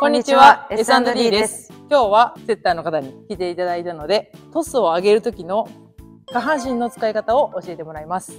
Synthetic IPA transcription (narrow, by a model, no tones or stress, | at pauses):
koɲːit͡ɕiβaesãnd̪oɾʲiːd̪e̞sɨ̥kʲo̞ːβat͡se̞t̪ːaːno̞kat̪aɲ̟ikʲit̪e̞it̪ad̪ait̪ano̞d̪e̞t̪o̞sɨo̞aɡe̞ɾɯ̟t̪o̞kʲino̞ | kaɦãɰ̃ɕ̬ĩnːo̞t͡sɨ̥kaikat̪ao̞ʔoɕie̞t̪emo̞ɾaimasɨ̥